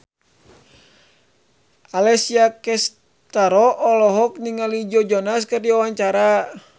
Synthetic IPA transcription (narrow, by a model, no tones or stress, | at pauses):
alɛsiakɛs | t̪aɾɔʔɔlɔɦɔkniŋalid͡ʒɔd͡ʒɔnas̬kərdiawaɲt͡ʃaɾa